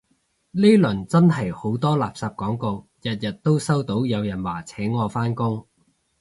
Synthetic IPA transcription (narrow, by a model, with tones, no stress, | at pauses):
li˥lɵ˨˩nt͡sɐ˥nhɐ˨˩jho˨˥wt̪ɔː˥laː˨p̚saː˧p̚kɔː˨˥ŋko˧w | jɐ˨t̚jɐ˨t̚t̪o˥wsɐ˥wt̪o˨˥wjɐ˨˧wjɐ˨˩nwaː˨˩t͡sʰɛː˨˥ŋːɔː˨˧faː˥nkʊ˥ŋ